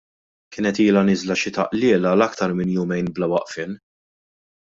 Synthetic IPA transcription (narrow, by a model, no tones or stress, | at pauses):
kɪːnɛt̪iːlɐnɪzlɐʃɪt̪ɐ̰ʔlɪːlɐlɐkt̪ɐɾmɪnjʊmɛjnblɐwɐʔfɪn